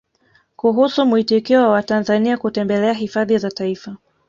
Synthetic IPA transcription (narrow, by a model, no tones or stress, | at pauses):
kuɦusumuitikɛɔwawatanzaniakutɛmbɛlɛaɦifaðizataifa